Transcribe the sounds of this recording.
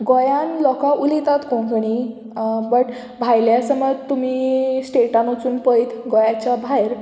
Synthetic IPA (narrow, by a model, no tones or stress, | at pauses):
ɡɔjãnlɔkãʔulit̪at̪kõɡəɽ̃i | bəʈ | bʱajljasəmət̪ːum̤iːsʈeʈanot͡suːnpəjt̪ɡɔjat͡ɕabʱajɾ